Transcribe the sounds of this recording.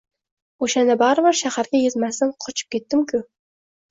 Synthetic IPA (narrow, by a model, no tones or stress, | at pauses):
oʃanɪbɑɾbɪɾʃahaɾɡʲajezmasɪnqʰot͡ʃʰɪ̥p̚kʲet̪ːɪmkʲʰʊ